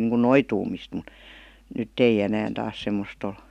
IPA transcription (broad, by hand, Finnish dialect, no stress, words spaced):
niːŋkun noituːmist mŭt nytː ei enæːn tɑːs semːost ol